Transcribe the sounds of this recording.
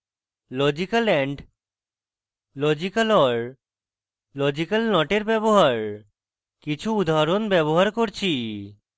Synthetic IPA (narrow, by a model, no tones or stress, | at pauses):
lɔd͡ʑikalɛɳɖ | lɔd͡ʑikalɔɾ | lɔd͡ʑikalnɔʈeɾbɛboɦaɾ | kit͡ɕʰuud̪aɾonbɛboɦaɾkoɾt͡ɕʰi